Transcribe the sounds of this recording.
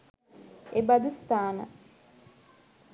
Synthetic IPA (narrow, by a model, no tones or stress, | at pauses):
ebad̪ust̪aːnə̰